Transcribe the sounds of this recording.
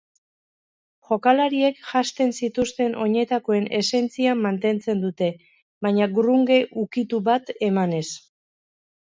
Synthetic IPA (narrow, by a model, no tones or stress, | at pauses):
ʝo̞kalaɾie̞kʝast̪e̞nsit̪ust̪e̞nʔo̞ɲe̞t̪ako̞e̞ne̞se̞nt͡siamːant̪e̞nt͡se̞nd̪ut̪e̞ | βaɲaɡruŋɡe̞ʔukit̪uβat̪e̞mane̞s